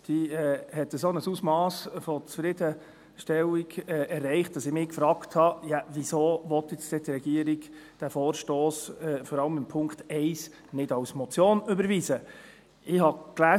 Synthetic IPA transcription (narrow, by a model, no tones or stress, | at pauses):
d̥iɛːhɛtːəsonəsuːsmɑːsfɔt͡sfɾɪdə | ʃtɛliɡɛːɛrːɛɪχt̚d̥ɑsɪmɪkfɾɑːkthɑjɑvisoːʋɔt̪jɛt͡stɛtɾɛɡiəɾiɡd̥æfɔːɾʃtoːsɛfɔɾɑləmɪmpʰʊŋktɛɪs | nɪdɑwsmɔt͡sjoːnøbəɾviːzə | ɪɦɑklæː